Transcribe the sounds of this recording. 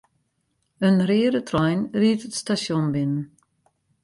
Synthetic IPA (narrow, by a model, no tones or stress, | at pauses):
ənrɪːɾətrɔjnriətətstasjonbɪnən